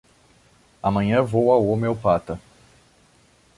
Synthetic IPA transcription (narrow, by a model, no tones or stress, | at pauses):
ɐmɐ̃ɲɐ̃vowawomewpat̪ɐ